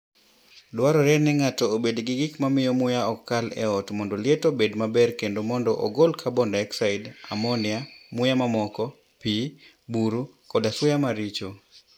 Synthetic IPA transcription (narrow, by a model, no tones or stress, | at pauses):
dwaɾɔɾɛnɛŋatoːbedɡɪɡɪkmamɪjɔmʊjaɔkːalɛ̰ɔtmɔndolɪɛtobedmabɛrkendomɔndɔʔo̰ɡolkʰabɔndaɛksaɪda̰mɔnɪamʊjamamɔkɔ | pi | buɾukɔdaswʊjamaɾit͡ʃo